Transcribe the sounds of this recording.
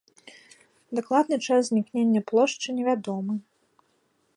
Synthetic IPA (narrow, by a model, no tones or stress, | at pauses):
d̪aklˠad̪nɨt͡ʂaszʲnʲiknʲenʲːɐplˠɔʂt͡ʂɨnʲɛvʲad̪ɔmɨ